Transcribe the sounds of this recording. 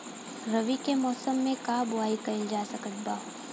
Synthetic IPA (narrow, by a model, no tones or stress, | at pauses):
ɾɐʋikemɔːsəmːẽkaːbʊaːikɐɪld͡ʒaːsɐkət̪̚baː